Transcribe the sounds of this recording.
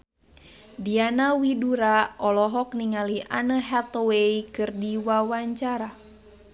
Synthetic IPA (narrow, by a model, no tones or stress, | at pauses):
dianawiduɾaɔlɔɦɔk̚niŋaliʔanəɦat̪ɔweikɨrdiwawaɲt͡ʃaɾa